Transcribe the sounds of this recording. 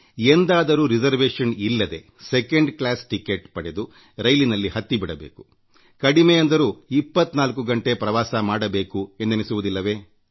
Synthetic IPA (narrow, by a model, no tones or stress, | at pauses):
end̪aːd̪ɐɾuːɾid͡ʒɐɾʋeːʂɐnilːɐd̪e̞ | sekeɳɖklaːsʈikeʈpɐɽed̪u | ɾɐjlinɐlːihɐt̪ːibiɽɐbḛːku̥ | kɐɽimɛjɐnd̪ɐɾuːipːɐt̪ːnaːlkuɡɐɳʈe̞pɾɐʋaːsɐmaːɽɐbe̞ːkuend̪enesuʋud̪ilːɐʋe̞ː